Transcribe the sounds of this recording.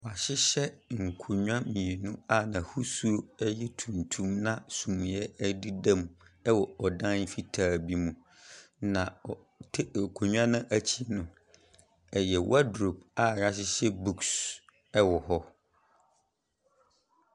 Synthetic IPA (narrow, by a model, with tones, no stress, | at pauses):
wɔ˨a˨ɕɪ˦ɕɛ˦ŋ̩˨kʰu˨ɲᶣã˦mĩ˨e˨nũ˦a˦˨nã˨hu˦su˦o˦ɛ˦jɛ˦tʰũ˨ntʰũ˦mnã˦sũ˨m̃˨jɛ˦di˦dã˦mɛ˦wɔ˨ɔ˨dã˦n˦fi˦tʰaː˨bi˦mũ˨ | nã˨ | tʰkʰo˨ɲᶣ˦ã˦nʊ̃˦ʔæ˦t͡ɕʰi˦nʊ̃˨ | ɛ˨jɛ˨wʔa˦dɾo˨p̚a˦˨ja˦ɕ̬ɪ˦ɕɛ˦bu˦ks | ɛ˦wɔ˨ɦɔ˦